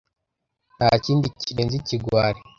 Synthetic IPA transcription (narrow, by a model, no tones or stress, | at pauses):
naciːndiciɾenziciɡwaːɾi